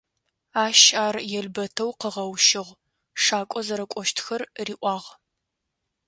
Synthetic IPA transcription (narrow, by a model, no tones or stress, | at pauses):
aːʃaːrjɛɮbɐtʰɐwqəʁɐwʃɪʁʷ | ʂaːkʷʼɔzɐɾɐkʷʼɔʃtʰxɐrriːʔʷɑːʁ